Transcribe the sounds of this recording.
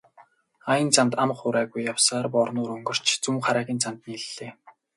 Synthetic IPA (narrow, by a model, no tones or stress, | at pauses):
ajə̆nt͡sʰant̪amχʊɾæːɣujːawsaːrpɔrnʊːɾɵŋɡɞ̆r̥t͡ɕt͡suŋmχaɾæːɣʲiːnt͡sam̥t̪niːɮːeː